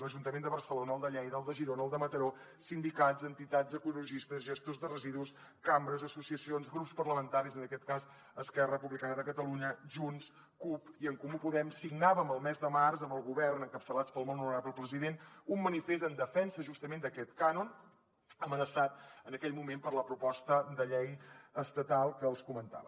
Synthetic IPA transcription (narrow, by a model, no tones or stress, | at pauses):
ləʒunt̪əmend̪əβərsəlonəlˠd̪əʎɛjðəlˠd̪əʒiɾonəlˠd̪əmət̪əɾo | sind̪ikazənt̪it̪azəkuluʒist̪əzʒəst̪ozðərəziðus | kambɾəzəsusiəsionzɣɾupspərləmənt̪aɾizənəkɛt̪̚kaz | əskɛrəəpuβlikanəðəkət̪əluɲəʒuns | kupiəŋkumupuðɛmsiɡnaβəməlˠmɛzðəmarzəməlˠɣuβɛrnəŋkəpsəlat͡spəlˠmonnuɾapləpɾəziðenumːənifesənd̪əfɛnsəʒust̪əmend̪əkɛt̪kanun | əmənəsat̪̚ənəkɛʎmumempəɾləpɾupɔst̪əd̪əʎɛjəst̪ət̪alˠkəːlˠskumənt̪a̰βə